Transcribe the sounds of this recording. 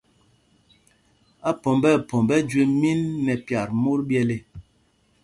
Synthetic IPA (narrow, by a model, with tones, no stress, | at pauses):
a˦pɔ˨mbɛ˦˨pɔ˨mbɛ˦d͡ʒwe˦mi˦nːɛ˨pja˨ɾmu˦ɾbjɛ˦le˦